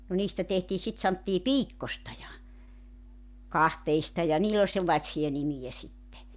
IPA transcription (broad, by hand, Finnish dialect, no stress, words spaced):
no niːstæ tehtiː sit sɑntːiː piːkːostɑ jɑ kɑhteistɑ jɑ niːlː olʲ selːɑĭtsijɑ nimijæ sitːe